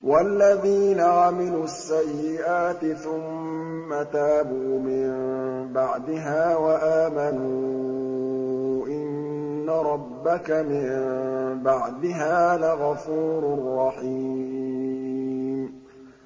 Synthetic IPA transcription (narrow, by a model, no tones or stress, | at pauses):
walːaðiːnaʕamɪluːasːajːɪʔaːt̪ɪθʊmː | at̪aːbuːmɪmbaʕd̪ɪɦaːwaʔaːmanuː | ʔɪnːaɾˤɑbːakamɪmbaʕd̪ɪɦaːðaɣɑfuːɾrˤːɑħiː | m